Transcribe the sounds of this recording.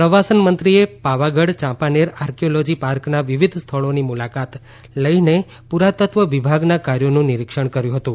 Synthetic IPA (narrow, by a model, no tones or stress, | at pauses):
pɾəʋasənmənt̪ɾiepaʋaɡəɽt͡ʃãpaneɾaɾkijolod͡ʒipaɾknaʋiʋid̪ʱst̪ʰəɭonimulakat̪ | ləine | puɾat̪ət̪ʋəʋibʱaɡnakaɾjonũnɪɾikʃəɳ̃kəɾjũɦət̪ũ